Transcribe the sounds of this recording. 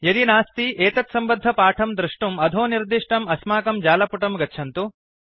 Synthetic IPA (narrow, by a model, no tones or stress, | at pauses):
jɐd̪inaːst̪iʔeːt̪ɐt̪sɐmbɐd̪ʱːɐpaːʈʰɐmd̪ɾuʂʈumɐd̪ʱoːniɾd̪iʂʈɐmɐsmaːkɐmd͡ʒaːlɐpuʈɐmɡɐtːʃʰɐnt̪u